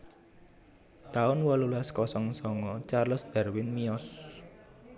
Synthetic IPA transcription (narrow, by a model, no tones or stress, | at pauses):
t̪aʊnwɔlulaskɔsɔŋsɔŋɔt͡ʃarləsd̪̥a̤rwɪnmiɔs